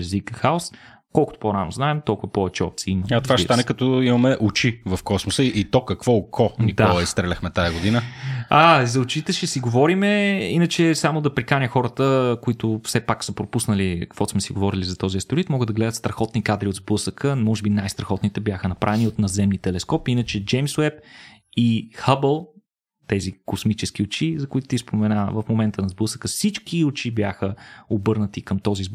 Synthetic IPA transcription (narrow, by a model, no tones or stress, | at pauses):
ɛzvikəxaʊs | kɔlˠkʊt̪ʊ̥poɾano̰znaɛmt̪ɔlˠkʊvɐpɔvɛt͡ʃɛɔ̰pt̪siimat̪vaʃt̪anɛkɐt̪ɔimɐmɛʔʊt͡ʃivɐfkɔsmosəiʔit̪ɔkɐkvɔkʰɔnid̪aɔlˠɐist̪ɾɛlʲɐxmɛt̪ajɐɡod̪inəazɐʊt͡ʃit̪ɛʃɛsiɡovɔɾimɛinɐt͡ʃɛsamʊd̪ɐpɾikanʲəxɔɾət̪əkoit̪ʊfsɛpaksəpɾopusnəlikkvɔsmɛsiɡovɔɾilizɐt̪ɔziəst̪ʊɾit̪mɔɡəd̪ɐɡlɛd̪ət̪st̪ɾɐxɔt̪nikad̪ɾiod̪zblɤsəkʰəmɔʒɛbinajst̪ɾɐxɔt̪nit̪ɛbʲjaxənɐpɾavɛniot̪nɐzɛmnit̪ɛlɛskɔpinət͡ʃɛd͡ʒɛjmswɛp̚ixəbəlˠ | t̪ɛzikosmit͡ʃɛskiot͡ʃizɐkʊit̪ʊ̥t̪ispomɛnavəfmomɛnt̪ənɐzbɤsəkəfsit͡ʃkiʊt͡ʃibjaxəobɤɾnət̪ikəmt̪ɔziz